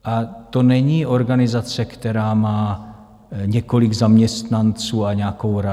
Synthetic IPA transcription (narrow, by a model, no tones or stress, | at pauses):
ʔat̪o̞nɛɲiːʔo̞ɾɡanɪzat͡sɛkt̪ɛɾaːmaː | ɲɛko̞lɪɡzamɲɛst̪nant͡suːaɲɛako̞wɾa